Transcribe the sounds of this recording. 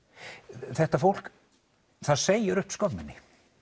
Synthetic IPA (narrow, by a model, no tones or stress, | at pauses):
θɛht̪afowl̥k | θaðseːjɪɾʏhpskɔpnɪnːɪ